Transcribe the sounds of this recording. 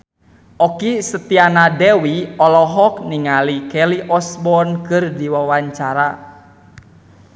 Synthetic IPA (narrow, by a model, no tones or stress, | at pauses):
ʔɔkisət̪ianadɛwiɔlɔɦɔk̚niŋalikɛliʔɔsbɔnkɨrdiwawaɲt͡ʃaɾa